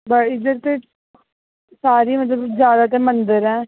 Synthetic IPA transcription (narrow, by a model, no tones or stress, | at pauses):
bəɪd̪əɾt̪e | saːɾiːmət̪̬ləbzjaːd̪aːt̪emənd̪əɾɛ̃ː